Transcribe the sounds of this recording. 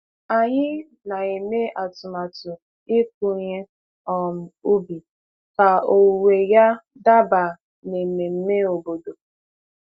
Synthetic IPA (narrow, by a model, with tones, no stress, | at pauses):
a˨ɲɪ˦ | na˨e˨me˦ʔa˨tʊ˨ma˨tʊ˨ | ɪ˦k̚u˦ɲe˦ | ɔ˨m̩˨u˦bi˨ | ka˨o˨we˨ja˦ | da˦ba˨ | ne˨me˨m̩˦me˦o˨bo˨do˨